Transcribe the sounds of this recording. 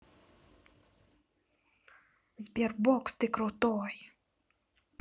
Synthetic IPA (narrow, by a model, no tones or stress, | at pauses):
zʲbʲɛrbɔkst̪ɨkɾut̪ɔj